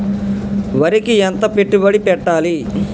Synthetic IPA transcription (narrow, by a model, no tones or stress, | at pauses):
ʋɐɾikiɛnt̪ɐpeʈːubɐɽipɛʈːaːli